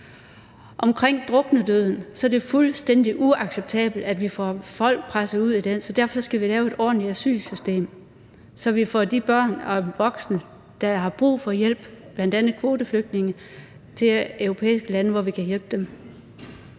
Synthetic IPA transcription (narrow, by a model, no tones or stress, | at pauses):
ʔɒ̽mkʰʁeŋ̰d̥ʁɔ̽ɡ̥nəd̥øð̞̰ˠn̩sɒ̽ɐd̥e̝fulsd̥en̰d̥iʔuɑ̈ɡ̥seb̥̚t͡sʰɛ̰ːb̥l̩d̥æd̥ʋifɒ̰fɒ̽l̰ɡ̥̚pʰʁasəuð̞̰ˠid̥ensɒ̽d̥æɐ̰fɒ̽sɒ̽sɡ̥æʋilɛːʊe̝d̥ɒ̰̥ːn̩liæsy̰ːlsysd̥e̝̰ːm | sɒ̽ʋifɒ̰d̥ib̥ɶɐ̰nɒʋɒ̽ɡ̥snə | d̥ɑ̈hɑ̈b̥ʁṵːfɒ̽jel̰b̥b̥læn̰d̥ænð̩ˠkʰʋo̝ːd̥əfløɡ̥̚d̥ne̝ŋə | t͡sʰe̝øʊʁo̝pʰḛːisɡ̥əlænəʋɒʋikʰæjel̰b̥əd̥em